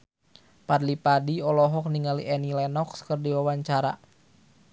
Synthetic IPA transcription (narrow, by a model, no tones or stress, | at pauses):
padlipadiɔlɔɦɔk̚niŋaliʔɛnilɛnɔkskərdiwawaɲt͡ʃaɾa̰